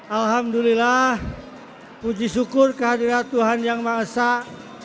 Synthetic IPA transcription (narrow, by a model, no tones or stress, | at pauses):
ʔalɦamdulilah | pud͡ʒisukʊrkəɦadiɾat̪uɦanjaŋmaəsa